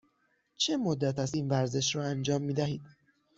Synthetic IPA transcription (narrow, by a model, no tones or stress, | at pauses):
t͡ʃʰe̞mod̪ːæt̪ʰæsiːnvæɾze̞ʃɾɒːænd͡ʒɒːmːiːd̪æhiːd̪̥